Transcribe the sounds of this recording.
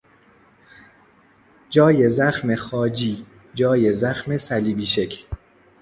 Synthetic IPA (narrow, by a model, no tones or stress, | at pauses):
d͡ʒɒːje̞zæxme̞xɒːd͡ʒiː | d͡ʒɒːje̞zæxmesæliːbiːʃekʰ